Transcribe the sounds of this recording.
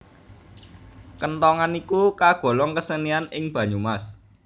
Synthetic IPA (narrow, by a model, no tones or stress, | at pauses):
kənt̪ɔŋanikukaɡ̥ɔ̤lɔŋkəsənianɪŋb̥ä̤ɲumas